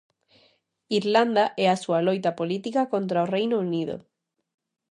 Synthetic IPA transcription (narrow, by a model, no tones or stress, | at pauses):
iɾland̪aʔɛasualojt̪apolit̪ikakont̪ɾaorejnouniðo̰